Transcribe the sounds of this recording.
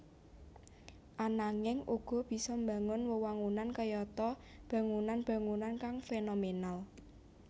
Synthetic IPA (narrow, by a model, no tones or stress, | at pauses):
ʔanaŋɪŋʔuɡ̥ɔ̤b̥i̤sɔmba̤ŋʊnwəwaŋunankəjɔt̪ɔb̥ä̤ŋunanb̥ä̤ŋunankaŋfenomenal